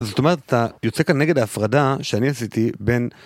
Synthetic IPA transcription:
zo̞t̪o̞me̞ʁe̞t̪at̪ajo̞t͡se̞kanːeɡe̞daːfʁadaʃeaniasit̪ibe̞n

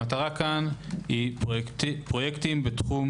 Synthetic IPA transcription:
at̪aʁakanhi | pʁo̞jektimbet̪χum

